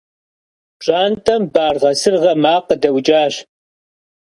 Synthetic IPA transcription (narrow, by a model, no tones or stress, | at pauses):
ɕʼaːntʼɐmbaːrʁɐsɨrʁɐmaːqədɐwt͡ʃʼaːɕ